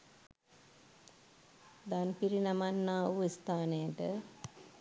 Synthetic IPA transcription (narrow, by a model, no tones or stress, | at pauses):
d̪anpiɾinamanːaːʋuist̪aːnejəʈə